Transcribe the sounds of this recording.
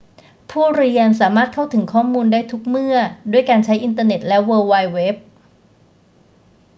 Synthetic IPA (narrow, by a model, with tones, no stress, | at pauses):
pʰuː˥˩ɾi˧əns̬aː˩˦maː˥˩t̪̚kʰa˥˩wt̪ʰɯ˩˦ŋkʰɔː˥˩muː˧ndaː˥˩jt̪ʰu˦˥k̚mɯ˥˩ɐdu˥˩əjkaː˧nt͡ɕʰa˦˥jʔi˧nt̪̬ɤː˧ne˨˩t̪̚lɛ˦˥wɤː˧wa˧jwe˦˥p̚